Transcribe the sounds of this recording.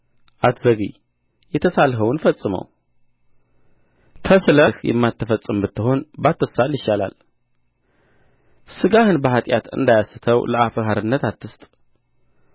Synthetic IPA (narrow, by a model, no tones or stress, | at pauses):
ʔat̪zəɡḭ | jɛt̪ʰəsalɦəwnfəsʼːɨmə̰w | kʰəsləhjɛ̰mːat̪ʰːəfəsʼɨmbɨt̪ʰːɨɦo̞nbat̪ʰːəsaljɪʃːala̰l | sɨɡahɨnbəhat̪ʼjat̪ɨ̰nd̪ajasɨt̪ʰəwləʔafəɦaɾɨnːət̪at̪ːɨst̪ʼ